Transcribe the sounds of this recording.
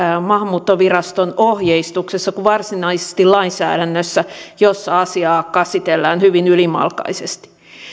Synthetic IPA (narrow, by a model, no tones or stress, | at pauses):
mɑhmuːt̪ːoʋirɑst̪onohjeist̪uksesːɑkuʋɑrsinɑise̥st̪illɑinsæ̰ːɾænːøsːæjosːɑɑsiɑːkɑsit̪elːæːnhyʋinylimɑ̰lkɑ̰isest̪i̥